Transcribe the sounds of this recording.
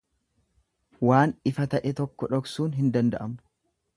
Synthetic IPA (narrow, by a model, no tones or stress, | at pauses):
waːnɪfɐt̪ɐʔɛt̪ɔkːɔᶑɔksuːnɦɪnd̪ɐnd̪ɐʔɐm